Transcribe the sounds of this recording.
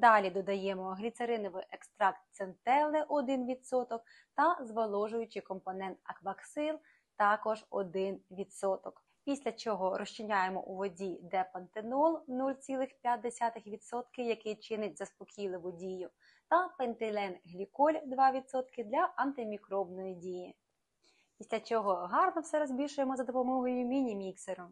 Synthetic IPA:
d̪ɑlʲid̪ɔd̪ɐjɛmɔɦlʲit̪sɐɾɪnɔʋɪʔekst̪ɾɑkt̪sent̪ɛlˠɪʔɔd̪ɪnʋʲid̪sɔt̪ɔk̚ | t̪ɐzʋɐlˠɔʒʊjʊt͡ʃɪkɔmpɔnɛnt̪ɐkbɐksɪlˠ | t̪ɑkɔʒɔ̰d̪ɪnʋʲid̪sɔt̪ɔk | pʲisʲlʲɐt͡ʃɔɦɔɾɔʃt͡ʃɪnʲajemɔ̰ʔuʋɔdʲid̪ɛpɐnt̪enɔlˠnulʲt͡sʲilˠɪxpʲjat̪̚ʲd̪esʲat̪ɪxʋʲid̪sɔt̪kɪwjɐkɪt͡ʃɪnɪtʲzɐspɔkʲijlˠɪʋʊdʲijʊ | t̪ɐpent̪ɪlʲɛnɦlʲikɔlʲd̪ʋɑʋʲid̪sɔt̪kɪd̪lʲɐʔɐnt̪ɪmʲikɾɔbnɔjidʲiji | pʲisʲlʲɐt͡ʃɔɦɔɦɑrnɔwsɛɾɔzʲbʲiʃʊjemɔzɐd̪ɔpɔmɔɦɔjʊmʲinʲimʲikseɾʊ

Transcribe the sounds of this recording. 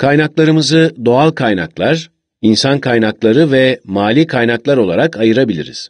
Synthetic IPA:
kʰajnaklˠaɾɯmɯzɯd̪o̞alˠkʰajnaklˠaɾ̥ | insankʰajnaklˠaɾɯvɛmaːlʲiːkʰajnaklˠaɾo̞lˠa̰ɾakʰajɯɾabilʲḭɾḭz̥

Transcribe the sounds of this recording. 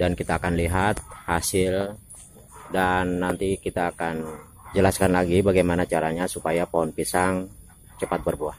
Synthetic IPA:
dankit̪aːkanliɦat̪̚hasɪl | danːant̪ikit̪aːkan | d͡ʒəlaskanlaɡibaɡajmanat͡ʃaɾaɲasupajapoɦɔnpisaŋ | t͡ʃəpat̪̚bərbuah

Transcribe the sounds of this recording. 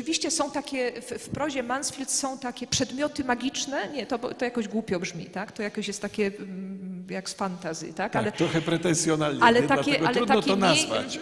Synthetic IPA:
ɨvʲiɕt͡ɕɛsɔ̃w̃t̪akʲɛffpɾɔʑɛmansfʲilt̪sɔ̃w̃t̪akʲɛpʂɛd̪mʲjɔt̪ɘmaɡʲit͡ʂnɛɲɛt̪ɔbt̪ɔjakɔʑɡwupʲjɔbʐmʲḭt̪akt̪ɔjakɔɕjɛst̪t̪ːakʲɛ | jaksfant̪azʲɨ̰t̪akalɛtt̪ɾɔxɛpɾɛt̪ɛnsʲjɔnalnalɛakʲɛʔɡalɛɾud̪t̪anɔkʲt̪ɔnazva̰t͡ɕ

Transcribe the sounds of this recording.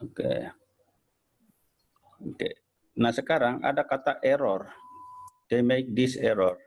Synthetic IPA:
okḛ | okḛ | nahsəkaɾaŋʔa̰dakat̪aʔɛɾɔr | d̥ejmek̚disɛɾɔr

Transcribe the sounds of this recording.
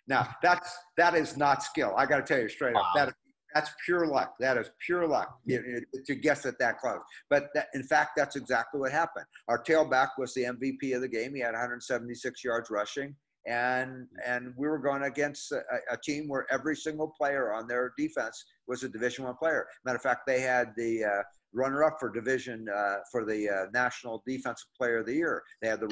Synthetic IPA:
naʊðætsðɨɾɪznətskɪlˠa̰ɪɡɑɾɨtʰɛlˠjɨstɹ̥eɪɾʌðɨɾ | ðætspʰj̥ʊɹlʌk̚ðɨɾɨz̥pʰj̥ʊɹlʌ̰k̚ɨtʰɨɡɛsðɨt̪̚ðɨt̚kʰl̥oʊz̥b̥ʌt̪̚ðɨɾɨ̃nfæk̚t̪̚ðætsɨɡzæk̚tˡliwʌt̚hæpə̃nd̥̚aʊə˞tʰeɪlˠbækwʌzðiɛ̃ɱvipʰiʌvðɨɡẽɪ̃miɨɾɨhʌ̃ndɹə˞dn̩sɛvn̩tisɪksjɑɹdzɹʌʃɪ̃ŋ | ʔɨ̃nɨ̃nwiwə˞ɡoʊɪ̃ŋɨɡɛ̃nstɨtʰĩmwə˞ʔɛvɹisɪ̃ŋɡl̩ˠpʰl̥eɪə˞ə̃nðə˞difɛ̃ns | wʌzɨdɨvɪʒɨ̃nwʌ̃npʰl̥eɪə˞mɨ̃ɾɨfæk̚t̪̚ðeɪɨd̪̚ði | ɹʌnə˞ʌpfə˞dɨvɪʒɨ̃nfə˞ðɨnæʃnl̩ˠdifɛ̃nsʌ̥pʰl̥eɪə˞ʌðɨjɪɹðeɪɨd̪̚ðə

